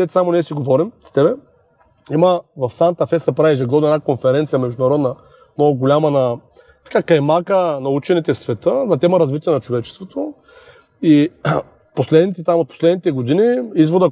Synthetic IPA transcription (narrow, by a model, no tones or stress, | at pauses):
ɛt̪samonɛɛsiɡovɔɾimz̥ɐ̥t̪ɛbɛ | iməvɐfsant̪ɐfɛsɐpɾaiɛʒɛɡɔd̪noɛnakonfɛɾɛnt̪sijɐmɛʒd̪ʊnɐɾɔd̪nɐ | mnɔɡʊɡolʲamənɐ | t̪ɐ̥kakɐjmakənɐut͡ʃɛnit̪ɛfsvɛt̪ənɐt̪ɛməɾɐzvit̪iɛnɐt͡ʃovɛt͡ʃɛst̪vot̪o | i | poslɛd̪nit̪ɛt̪amot̪̚po̥slɛd̪nit̪ɛɡod̪iniizvod̪ə